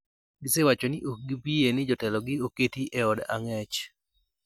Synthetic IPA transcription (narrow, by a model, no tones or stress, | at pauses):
ɡɪsewat͡ʃonɪʔokɡibienɪd͡ʒɔtɛlɔɡɪoketiʔɛɔda̰ŋɛt͡ʃ